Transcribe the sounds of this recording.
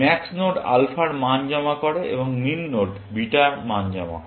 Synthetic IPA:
mɛksnoɖa̰lfaɾmand͡ʑɔmakoɾeʔḛboŋminːoɖ | biʈamand͡ʑama̰

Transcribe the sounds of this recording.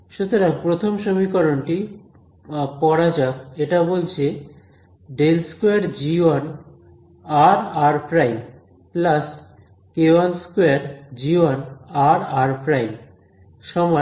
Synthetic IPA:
ʃut̪oɾapɾot̪ʰomʃomikɔɾonʈi | pɔɾad͡ʑakeʈabolt͡ɕʰe | ɖelskoaɾd͡ʑian | aɾaɾpʰɾajm | plas | keanskoeaɾd͡ʑianaɾaɾpʰɾajm | ʃɔmɔ

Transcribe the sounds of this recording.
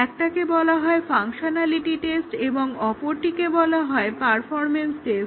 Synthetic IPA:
ɛk̚ʈakebɔlaɦɔefaŋʃonaliʈiʈesʈeboŋɔpoɾʈikebɔlaɦɔepaɾfɔɾmensʈes

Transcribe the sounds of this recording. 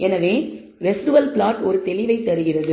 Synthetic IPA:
ʔɛnɐʋeː | ʋɛsʈɯʋɐlplaːʈɔɾɯt̪ɛlɪʋɐɪt̪ːɐɾɯɣɪrɐðɯ

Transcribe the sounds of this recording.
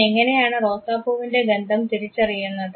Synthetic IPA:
eŋːɐne̞jaːɳɨro̞ːsaːbuʋinde̞ɡɐnd̪ʱɐmt̪iɾit͡ɕːɐrijːunːɐðɨ

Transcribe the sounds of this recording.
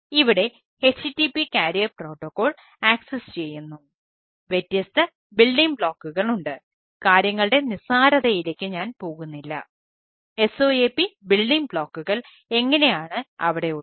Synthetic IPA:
iʋiɽe̞ | et͡ɕːɨtːipːikaːɾijɐpro̞ːʈːokːo̞ːɭ | aːksest͡ɕe̞jːunːu | ʋetːjɐst̪ɐ | bilɖiŋbɭoːkːuɣɐɭuɳɖɨ | kaːɾjɐŋːɐɭɨɽe̞nisaːɾɐðɐjilekʲːɨɲaːnpo̞ːɣunːilːɐ̰ | e̞so̞ːepːibilɖiŋbɭoːkːuɣɐɭ | e̞ŋːɐne̞jaːɳɨɐʋiɽe̞u

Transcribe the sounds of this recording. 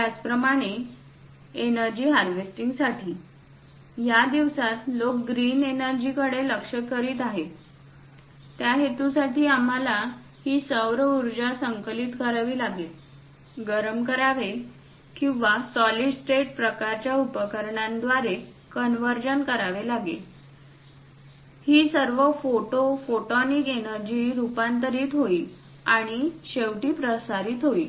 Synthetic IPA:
jad͡zpɾəmaɽ̃e | enəɾd͡ʑiːɦaɾʋesʈiŋɡsaʈʰiː | jad̪iʋsat̪lokɡɾiːnenəɾd͡ʑiːkəɽeləkʂəkːəɾiːt̪aɦet̪ | t̪jaɦet̪ũsaʈiːam̤ala | hiːsəwɾəuɾd͡ʑasəŋkliːt̪kəɾaʋiːlaɡet̪ | ɡəɾəmkəɾaʋe | kĩw̃ʋasɔliɖsʈeʈ̚pɾəkaɾt͡ɕjaupəkəɾɳãnd̪ʋaɾe | kənʋəɾd͡ʑənkəɾaʋelaɡḛ | hiːsəɾʋəfoʈofoʈɔnikenəɾd͡ʑiːɾupant̪əɾiːt̪ɦoiː | aɽ̃iɕeʋʈiːpɾəsaɾiːt̪ɦoiː

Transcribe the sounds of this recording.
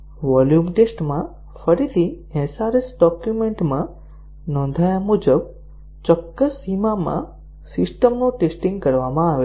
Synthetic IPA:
ʋɔljumʈesʈmã | fəɾit̪ʰi | ɛ̃saɾesɖɔkjumẽɳʈmã | nɔ̃nd̪ʱajamud͡ʒəb | t͡ʃɔkːəsːimamã̰ | sɪsʈəmnoʈesʈĩŋɡ̚kəɾʋamãaʋe

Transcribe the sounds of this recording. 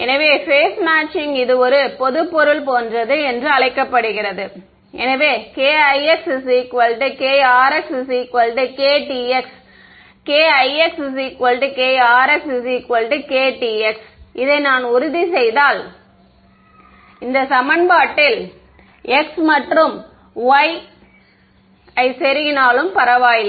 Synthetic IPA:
ɛnɐʋeːfeːsmaːʈt͡ʃɪŋɪðɯɔɾɯpɔðɯpːɔɾɯɭpoːndrɐðɯɛndrɯɐɭɐɪkːɐpːɐɽɯɣɪrɐðɯ | ʔɛ̰nɐʋeːkeːɐɪɛkssikʋɐlʈɯkeːaːɾɛkssiːkʋɐlɖɯkeːʈiɛks | keːɐɪɛkss̬ikɐlɖɯkeːaːɾɛkssikʋɐlɖɯkeːʈiːɛksɪðɐɪnaːnʊɾʊðisɛjðaːl | ɪnd̪ɐsɐmɐnbaːʈːɪl | ɛksmɐʈrɯm | ʋɐɪ | ɐɪsɛɾɪɣɪnaːlɯmpɐɾɐʋaːjɪl

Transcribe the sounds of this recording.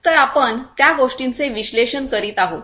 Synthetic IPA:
t̪əɾapəɳt̪jaɡoʂʈint͡seʋiɕleɕənkəɾiːt̪aɦo

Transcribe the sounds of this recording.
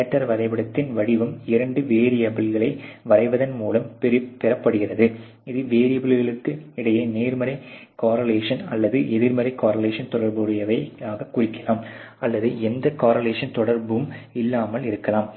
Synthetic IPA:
ɐʈːɐɾʋɐɾɐɪbɪɽɐt̪ːɪnʋɐɽɪʋɯmɪɾɐɳɖɯʋeːɾɪjɐbɪlɣɐɭɐɪʋɐɾɐɪʋɐðɐnmuːlɐmpɛɾɪpːɛɾɐpːɐɽɯɣɪrɐðɯ | ɪðɯʋeːɾɪjɐbɪɭɣɐɭɯkːɯɪɽɐjɐneːɾmɐɾɐɪkaːɾɐleːʂɐnɐ̰lːɐðɯʔɛðɪɾmɐɾɐɪkaːɾɐleːʂɐnt̪ɔɽɐɾbɯɾɪjɐʋɐɪaːɣɐkːʊrɪkːɐlaːm | ʔɐlːɐðɯɛnd̪ɐkaːɾɐleːʂɐnt̪ɔɽɐɾbɯmɪlːaːmɐlɪɾɯkːɐlaːm

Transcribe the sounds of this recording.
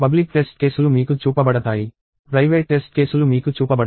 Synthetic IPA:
pɐblik̚ʈe̞sʈ̚ke̞ːsulumiːkut͡ʃuːpɐbɐɽɐt̪aːji | pɾɐjʋeːʈʈe̞sʈ̚ke̞ːsulumiːkut͡ʃuːpɐbɐɽ

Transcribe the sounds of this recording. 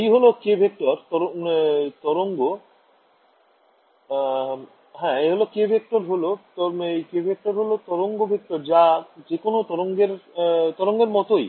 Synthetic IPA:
ijɦolokebʱek̚ʈɔɾt̪ɔɾot̪ɔɾoŋɡo | ɦɛ̃eɦolokebʱek̚ʈoɾɦolot̪ɔejkebʱek̚ʈoɾɦolot̪ɔɾoŋɡobʱek̚ʈɔɾd͡ʑad͡ʑekonot̪ɔɾoŋɡeɾt̪ɔɾoŋɡeɾmɔt̪oj

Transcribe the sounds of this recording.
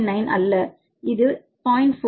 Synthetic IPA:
nɐɪnʔɐ̰lːɐ | ɪðɯ | paːɪnfo

